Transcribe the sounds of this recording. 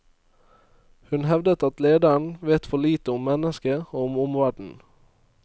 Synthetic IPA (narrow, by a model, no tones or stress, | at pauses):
hʉnhɛʋd̪ət̪ɑt̪leːd̪æɳ̩ʋeːt̪fɔɭiːt̪əʊmːɛnəskəoːʊmʊmʋæɖɳ̩